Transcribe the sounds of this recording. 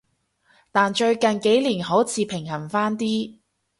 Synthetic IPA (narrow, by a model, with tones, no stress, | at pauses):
t̪aː˨nt͡ʃɵ˧ɥkɐ˨nke˨˥jliː˨˩nɦo˨˥wt͡sʰiː˧pʰɪ˨˩ŋɦɐ˨˩nfaː˥nt̪iː˥